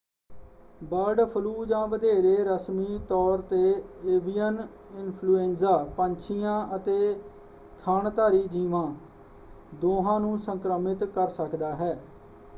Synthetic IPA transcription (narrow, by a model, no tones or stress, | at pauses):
baːɖpʰəluːd͡ʒãːʋəd̪eːɾeːɾəsmiːt̪ɔːɾt̪eːeːʋijən | ɪnpʰluːẽːnzaːpəɲt͡ʃʰijãːʔət̪eː | t̪ʰaːɳt̪aːɾiːd͡ʒiːʋãː | d̪oːɦãːnũːsəŋkɾəmɪt̪kəɾsəkd̪aːɦɛː